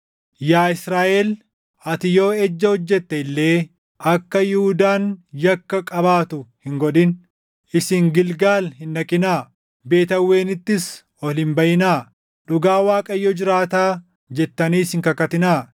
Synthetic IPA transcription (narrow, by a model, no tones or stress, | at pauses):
jaːɪsɾaːʔeːl | ɐt̪ɪjo̞ːɛd͡ʒːɐhɔd͡ʒːɛt̪ːɛɪlːe̞ː | ʔɐkːɐjʊhʊd̪aːnjɐkːɐkʼɐbaːt̪ʊhɪŋɡɔᶑɪn | ʔɪsɪŋɡɪlɡaːlhɪnːɐkʼɪnaː | be̞ːt̪ɐwːe̞ːnɪt̪ːɪs | ɔlɪmbɐjɪnaː | ᶑʊɡaːwaːkʼɐjːɔd͡ʒɪɾaːt̪aː | d͡ʒɛt̪ːɐniːsɪŋkɐkɐt̪ɪnaː